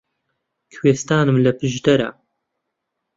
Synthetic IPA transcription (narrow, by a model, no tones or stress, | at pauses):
kʰweːst̪aːnɨmlɐpɨʒd̪ɐɾɐ̰